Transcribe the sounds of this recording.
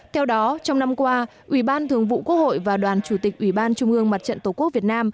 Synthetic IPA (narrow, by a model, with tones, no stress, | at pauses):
t̪ʰɛ˧wɗɔ˨˦t͡ɕɔ˧wŋ͡mna˧mkwaː˧ | ʔwi˧˩ɓaː˧nt̪ʰɨ˨˩əŋvṵ˧˨ku˦˥əho̰˧˨jvaː˨˩ɗwaː˨˩nt͡ɕu˧˩t̪ï˨˩k̟̚ʔwi˧˩ɓaː˧nt͡ɕʊ˧ŋ͡mʔɨ˧əŋma˨˩t̚t͡ɕə̰˧˨nt̪o˨˧˩ku˦˥ək̚vi˨˩ət̚naː˧m